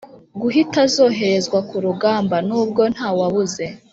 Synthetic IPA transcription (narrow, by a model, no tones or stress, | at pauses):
ɡuɦitazo̞ːɦe̞ɾe̞zɡwakuɾuɡaːmbanuːb̚ɡo̞n̥haːwaβuze̞